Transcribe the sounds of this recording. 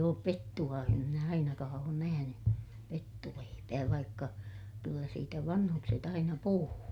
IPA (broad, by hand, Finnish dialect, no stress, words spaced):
oːp petːuɑ em minæ ɑinɑkɑː oːn næhæny petːuleipæː ʋɑikːɑ kylːæ siːtæ ʋɑnhukset ɑinɑ puhuː